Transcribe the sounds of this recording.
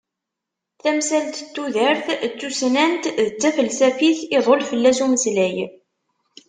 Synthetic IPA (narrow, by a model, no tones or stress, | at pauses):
θæmsælt̪t̪ːuðəɾθt͡sːusnænt̪ðət͡sːæfəlsæfiθɪðˤolfəlːæsuməslæj